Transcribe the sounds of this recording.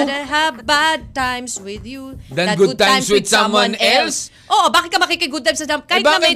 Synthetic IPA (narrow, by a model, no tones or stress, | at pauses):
ɦavbad̪̚t̪ãjmswɪðjud̪ɐɡʊd̪̚t̪ãjmswɪd̪smwãnɛls | ʔoʔobaːkɪt̪̚kɐmɐkikɐjɡʊd̪̚t̪ãɪjmsɐd̪amkaːɪbnɐ